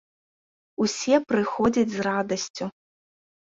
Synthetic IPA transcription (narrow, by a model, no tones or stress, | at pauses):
usʲɛpɾɨxɔd͡zʲɐd͡zʲzrad̪ɐsʲt͡sʲu